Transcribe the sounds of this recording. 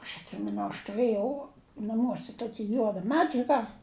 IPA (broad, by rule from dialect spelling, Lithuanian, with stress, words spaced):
ɐʃ ɐtʲˈsʲɪmʲɛnʊ ɐʃ tʊˈrɘjɛʊ nɐˈmuɔsʲɛ ˈtoːkʲɪ ˈjuɔdɐ ˈmʲæːd͡ʒʲɛɡɐ